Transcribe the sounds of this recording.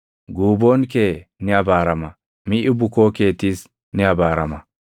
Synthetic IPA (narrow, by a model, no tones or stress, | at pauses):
ɡuːboːnkeːnɛɐbaːɾɐmɐ | mɪʔɪbʊkoːke̞ːt̪ːiːs | nɪɐbaːɾɐmɐ